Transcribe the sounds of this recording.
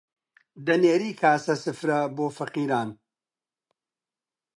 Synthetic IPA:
d̪ɐneːɾiːkʰaːsɐsɨfɾɐboːfɐqiːɾaːn

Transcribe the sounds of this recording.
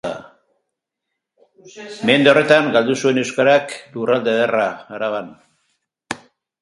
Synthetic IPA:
me̞nd̪eo̞re̞t̪aŋɡald̪usue̞ne̞wskaɾaklurald̪eðeraːɾaβan

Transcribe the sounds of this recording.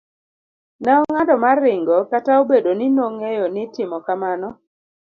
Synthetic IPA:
nɛɔŋadɔmarːɪŋɡɔkataobedonɪnoŋejonɪtɪmɔkamanɔ

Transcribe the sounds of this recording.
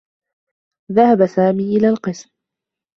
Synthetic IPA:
ðahabasaːmiːʔɪlaːlqɨsm

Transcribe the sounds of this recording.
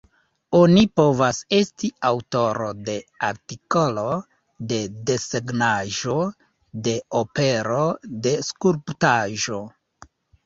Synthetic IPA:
o̞nipo̞vase̞stiawto̞ɾo̞de̞aɾtiko̞lo̞ | de̞de̞seɡnaʒo̞ | de̞ope̞ɾo̞de̞skuɾptaʒo̞

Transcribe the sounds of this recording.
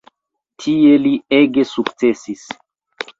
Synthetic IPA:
tʰie̞lieɡesukt͡se̞sis

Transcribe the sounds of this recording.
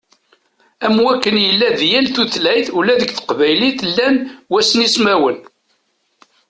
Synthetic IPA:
æmwækːənjəlːæðjælθuθlæjθulæðəɡθə̥qvæjliθlːænwæsnismæwən

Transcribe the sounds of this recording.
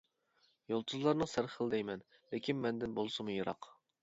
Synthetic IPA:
jolˠt̪ʰuzlˠɑɾnɨsæɾχəlˠd̪ɛjmɛn | lɪkʲʰinmɛnd̪ɪnbolˠsɨmujɨɾɑ̰q

